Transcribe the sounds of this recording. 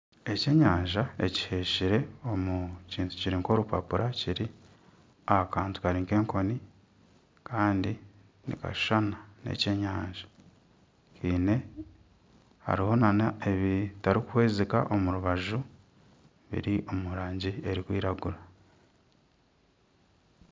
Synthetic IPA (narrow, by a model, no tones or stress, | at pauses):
e̞ce̞ːɲaːɲʒaeci̥he̞ʃiɾe̞o̞muciːntu̥ciɾiŋko̞ɾupa̰puɾʔaciɾi | aakaːntu̥kaɾiŋke̞ːŋko̞ni | kʰaːndi | nḭka̰ʃu̥ʃanane̞̰ce̞ɲaːɲʒḁ | kʰiːne̞ | ha̰ɾiho̞nanaeβitaɾikuhwe̞ːzika̰ʔo̞muɾuβaʒu | βḭɾiʔo̞muɾaːɲɟie̞ɾikwḭːɾaɡuɾa